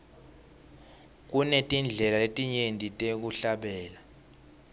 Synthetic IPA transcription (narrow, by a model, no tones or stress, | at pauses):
k̬ʼunɛtʼind͡ɮʱɛlaletʼiɲentʼitʼek̬uɬaɓɛːla